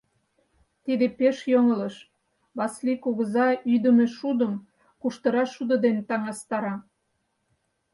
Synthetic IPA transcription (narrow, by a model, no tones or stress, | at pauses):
t̪id̪epeʃjoŋələʃ | βɑslikuɣəzɑyd̪əmeʃud̪əm | kuʃt̪əɾɑʃud̪ə̆d̪ent̪ɑŋɑst̪ɑɾɑ